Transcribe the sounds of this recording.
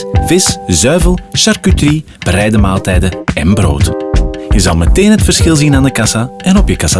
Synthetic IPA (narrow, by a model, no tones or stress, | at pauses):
vɪszœɥvəlˠʃarkytri | b̥ɾɛjdəmaːlˠtɛjdəɛnbro̰ːtjəzɑ̰lˠmɛteːnɦətfərsxɪlˠzinaːndəkɑsaɛnɔpjəkɑsa